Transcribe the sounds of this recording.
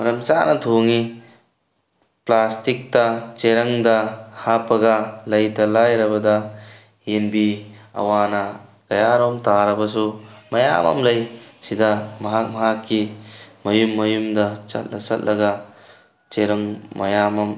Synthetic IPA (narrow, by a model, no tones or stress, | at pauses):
mɐɾɐmt͡ʃa̰nɐtʰoŋi | plastik̚tɐt͡ʃeɾɐŋdɐhapɐɡɐlɐjtɐlajɾɐbɐdɐ | enbiɐ̰wanɐ | kɐjaɾɔmtaɾɐbɐs̬umɐja̰mɐ̰mlɐjsidɐmɐɦak̚mɐɦakːimɐjumːɐjumdɐt͡ʃɐ̰t̚lɐsɐ̰t̚lʔɐɡɐ | t͡ʃeɾɐŋmɐ̰jamɐm